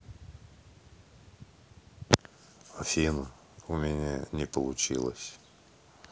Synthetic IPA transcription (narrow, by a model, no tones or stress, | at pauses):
ɐfʲinə | ʊmʲɪnʲanʲɪpəlˠʊt͡ɕḭlˠə̰sʲ